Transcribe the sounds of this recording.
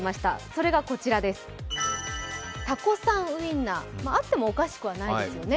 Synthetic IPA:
maɕi̥t̪a̰so̞ɾe̞ɡako̞t͡ɕiɾad̪e̞sɨ̥ | t̪ako̞sãɰ̃ɯ̟ĩnːamaːt̪ːe̞mo̞ːkaɕi̥kɯ̟β̞anaidesɨjo̞ne̞

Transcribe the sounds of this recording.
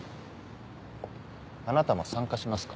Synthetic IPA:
anat̪amasãŋkaɕimasɨ̥kḁ

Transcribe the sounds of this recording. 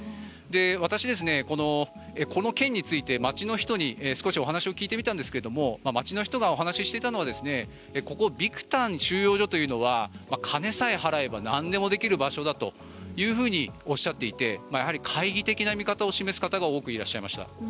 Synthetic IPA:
d̪e̞βat̪aɕid̪e̞s̬ɨne̞ko̞no̞ | ekʰo̞no̞kẽ̞ɲ̟ːit͡sɨit̪e̞mat͡ɕino̞çi̥t̪o̞ɲ̟iesɨ̥ko̞ɕio̞ɦanaɕio̞kʲiːt̪e̞mʲit̪ãnd̪esɨ̥ke̞ɾe̞d̪o̞mo̞mamat͡ɕino̞çi̥t̪o̞ɡao̞ɦanaɕiɕi̥t̪et̪ano̞β̞ad̪e̞sɨne̞ | eko̞ko̞bʲikɯ̟̥t̪ãnɕɨːjo̞ːʑo̞t̪o̞jɯ̟ːno̞βamakʰane̞saeɦaɾae̞banãnd̪e̞mo̞d̪e̞kʲiɾɯ̟baɕo̞d̪at̪o̞̰ | jɯ̟ːɸɯ̟ːɲ̟io̞ɕːat̪ːe̞it̪e̞majaɦaɾʲikʰaiɡʲit̪e̞kʲinamʲikat̪ao̞ɕime̞sɨ̥kat̪aɡao̞ːkɯ̟iɾaɕːaimaɕi̥t̪a̰

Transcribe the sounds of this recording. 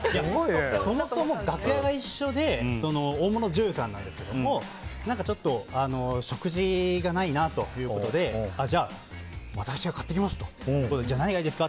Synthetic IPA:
jaoieso̞mossomo̞ɡakɯ̟jaɡaiɕːo̞d̪e̞so̞no̞oːmo̞no̞ʑɨːsãnːã̰nd̪e̞sɨ̥ke̞d̪omo̞ | nãŋkat͡ɕo̞t̪ːo̞ano̞ɕo̞kɯ̟ʑiɡanainat̪o̞jɯ̟ːkot̪o̞d̪e̞ad͡ʑaː | βat̪akɯ̥ɕiɡakḁt̪ːe̞kʲimasɨ̥t̪o̞̥jɯ̟ːkot̪oed͡ʑanaiɡaid̪e̞sɨ̥ka

